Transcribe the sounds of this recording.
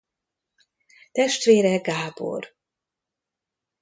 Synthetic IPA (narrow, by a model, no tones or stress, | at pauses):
t̪ɛʃt̪ʋeːɾɛɡaːbo̰r